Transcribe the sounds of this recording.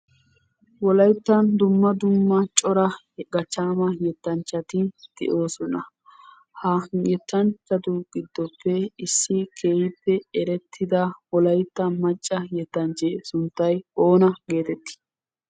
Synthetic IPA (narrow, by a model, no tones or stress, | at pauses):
wɔlɐjt̪ːɐnd̪ʊmːɐd̪ʊmːɐt͡ʃʼɔɾɐ | ɡɐt͡ʃːaːmɐjɛt̪ːɐnt͡ʃːɐt̪ɪd̪̥ɛ̰ʔo̞ːsɔnɐ̰ | hɐjɛt̪ːɐnt͡ʃːɐd̪ʊɡɪd̪ːɔpːɛɪsːɪkʰeːhɪpːɛɛɾɛt̪ʰːɪd̪ɐwɔlɐjt̪ːɐmɐt͡ʃʼːɐjɛt̪ːɐnt͡ʃeːsʊnt̪ːɐjo̞ːnɐɡe̞ːt̪ɛt̪ːɪ̥